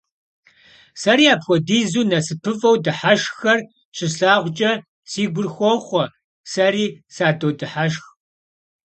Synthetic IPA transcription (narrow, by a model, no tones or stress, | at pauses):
sɐɾiːaːpxʷɔdiːzuːnɐsɨpʰɨvɐwdɨħaʃxɐr | ɕʰʼɪɬaːʁʷt͡ʃʼɐ | siːɡʷʊrxʷɔχʷɔ | sɐɾiːsaːdowdɨħaʃx